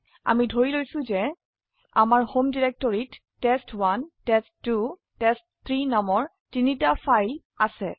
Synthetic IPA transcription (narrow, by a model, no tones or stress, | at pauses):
a̰midʱoɹilojsʊ̃zɛ | a̰maɹhomdiɹɛk̚tɔɹitː | ɛstwantɛstːu | tɛstt̪ʰɹinamɔɹ | tinitafajl | asɛ